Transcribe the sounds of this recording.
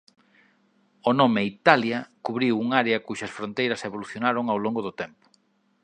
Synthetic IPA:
onomeit̪aljɐkuβɾiwuŋaɾeɐkuʃɐsfɾont̪ejɾɐseβoluθjonaɾoŋawloŋɡoðʊt̪ɛmpʊ̥

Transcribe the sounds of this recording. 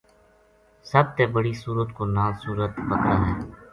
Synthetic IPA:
səb̚t̪eːbəɽisuːɾət̪konaːsuːɾət̪pəkɾaːɦɛː

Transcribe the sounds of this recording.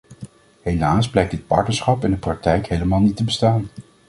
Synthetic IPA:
ɦejlaːsblɛjk̚dɪt̚pɑ̰ɹtnəɹsχɑpɛndəprɑk̚tɛjkɦejləmaːlˠnitəbəstaːn

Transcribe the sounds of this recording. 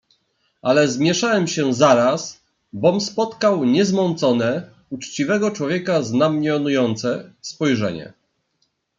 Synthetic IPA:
alɛzmʲjɛʂawɛmɕɛzaɾas | bɔmspɔt̪kawɲɛzmɔnt̪sɔnɛ | ut͡ʂt͡ɕivɛɡɔt͡ʂwɔvʲjɛkaznamɲɔnujɔnt̪sɛspɔjʐɛ̰ɲɛ̰

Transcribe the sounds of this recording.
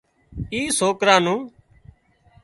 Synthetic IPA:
iːsoːkɾãːnũː

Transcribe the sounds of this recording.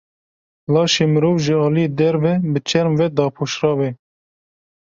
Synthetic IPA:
lɑːʃeːmɨɾoːvʒəɑːlijed̪ɛɾvɛbɨt͡ʃʰɛɾmvɛd̪ɑːpʰoːʃrɑːbɛ

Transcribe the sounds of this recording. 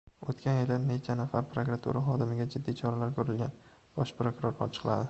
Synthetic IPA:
ot̪kʲʰanjɪlɪne̞t͡ʃʰanafaɾpʰɾokɾat̪ʰṵɾʔaχɒd̪ɪmɪɡʲad͡ʒɪd̪ːit͡ʃʰɒɾalaɾkʰɵɾɪlɡʲan | b̥ɒʃpɾokuɾoɾɒ̰t͡ʃʰɨ̥qlˠa̰d̪ɪ

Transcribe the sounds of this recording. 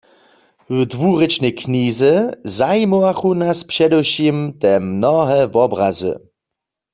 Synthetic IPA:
wdʋuʁɪt͡ʃnɛkʰniːzɛzajmowaxunaspʃɛdɛwʃimt̪ɛmnɔɦɛvɔbʁa̰zɨ̰

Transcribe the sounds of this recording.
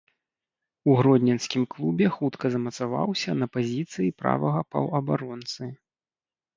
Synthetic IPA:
uɣɾɔd̪ʲnʲɐnsʲkʲimklˠubʲɛxut̪kʰɐzɐmɐt̪sava̰wsʲɐnɐpazʲit̪sɨjipɾa̰vɐɣɐpɐ̰wɐbaɾɔnt̪sɨ

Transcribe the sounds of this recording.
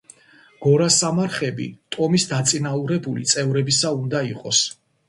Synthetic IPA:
ɡ̥ɔɾasamaɾχɛbḭt̪ʼɔmisd̪at̪sʼinauɾɛbulḭt̪sʼɛvɾɛbisaund̪aiqʼɔs

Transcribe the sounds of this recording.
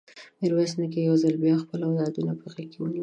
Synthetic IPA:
eɾwasnəkejawzəlbjɑxpəlawd̪ɑd̪unapəɣakːewuni

